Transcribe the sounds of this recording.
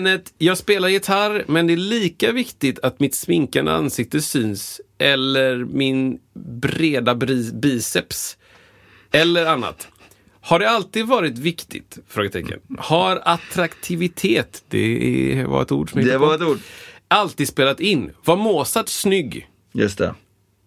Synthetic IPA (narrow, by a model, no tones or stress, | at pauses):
nət̪jɑːɡspeːlaɾjɪt̪ʰaɾmɛnd̪ɛæɭiːkavɪkt̪ɪt̪ʰat̪mɪt̪smɪŋkand̪ə̰a̰nsɪk̚t̪əsyːnsʔɛlːəɾmɪnbɾeːd̪abiːsɛps | ɛlːəɾanːa̰t̪ | haɖɛalt̪iːd̪vɑːɾɪt̪vɪkt̪ɪ̰t̪fɾoːɡət̪ʰɛ̰kːə̰nhaɾat̪ɾakt̪ʰɪvɪt̪ʰeːt̪d̪ɛ̰va̰ɾɛ̰t̪ṵːɖʂɔmɛɪɛt̪uːalt̪iːd̪speːlat̪ɪnːvaɾmoːsat̪snʏɡː | jɵ̰st̪ɛ̰